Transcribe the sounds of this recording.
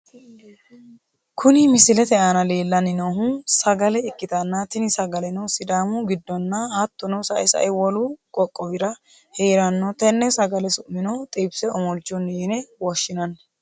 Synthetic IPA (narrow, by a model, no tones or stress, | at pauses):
kʰʊnɪmɪsɪlɛt̪ɛʔanɐle̞ːlːɐnɪnoɦusɐɡɐlɛɪkːɪt̪ɐnːat̪ɪnɪsɐɡɐlɛnɔwsɪd̪aːmuɡɪd̪ːɔnːɐhɐt̪ːɔnɔsɐ̰ʔɛsɐ̰ʔɛwɔlukʼɔkʼːɔwɪɾɐ | heːɾɐnːɔt̪ɛnːɛsɐɡɐlɛsʊʔmːɪnɔwt̪ʼibsɛɔmɔld͡ʒʊnːiːnɛwɔʃːɪnɐnː